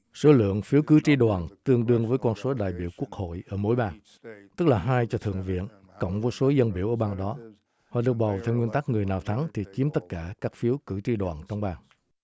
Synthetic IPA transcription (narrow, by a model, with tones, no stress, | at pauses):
so˨˦lɨ̰˧˨əŋfi˨˦əwkɨ˨˦t͡ɕi˧ɗwaː˨˩nt̪ɨ˧əŋɗɨ˧əŋvəː˨˦jkɔ˧nso˨˦ɗa̰ː˧˨jɓḭ˧˩˨əwku˦˥ək̚ho̰˧˨jʔəː˧˩mo˨˦jɓaː˧ŋ | t̪ɨ˦˥k̚laː˨˩ɦaː˧jt͡ɕɔ˧t̪ʰɨ̰˧˨əŋvḭ˧˨ən | kə̰˧˨wŋ͡mvəː˨˦so˨˦zə˧nɓḭ˧˩əwʔəː˧˩ɓaː˧˩ŋɗɔ˨˦ | hɔ˨˩ɗɨ˨˩ək̚ɓa˨˩wt̪ʰɛ˧wŋwi˧nt̪a˦˥k̚ŋɨ˨˩əjnaː˨˩wt̪ʰa˨˦ŋt̪ʰi˨˩t͡ɕi˨˦əmt̪ə˦˥t̚kaː˧˩kaː˦˥k̚fi˨˦əwkɨ˧˩t͡ɕi˧ɗwaː˨˩nt͡ɕɔ˧wŋ͡mɓaː˧˩ŋ